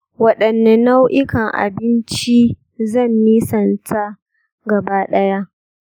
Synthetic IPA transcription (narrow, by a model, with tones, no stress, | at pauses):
wɐ˦ɗɐ˨nːa˦na˦wʔɪ˦kɐ˨ŋʔa̰˨bɪ˦nt͡ʃi˦ | zɐ˦˨mːiː˦sɐ˨ntʰa˦ | ɡɐ˨baː˦ɗɐ˦ja˦ʔ